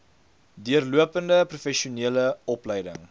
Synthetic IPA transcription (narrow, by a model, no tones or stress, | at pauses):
dyərluəpəndəprufɛʃiuniələɔpləjdə̰ŋ